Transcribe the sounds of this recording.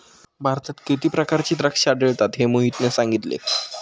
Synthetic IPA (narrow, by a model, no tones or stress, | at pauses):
bʱaɾt̪at̪kit̪iːpɾəkaɾt͡ɕiːt̪ɾəkʂaɖeɭt̪at̪ɦemuɦit̪nesaŋɡit̪lḛ